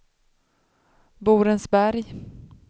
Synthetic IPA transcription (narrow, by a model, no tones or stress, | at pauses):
buːɾənsbæɾj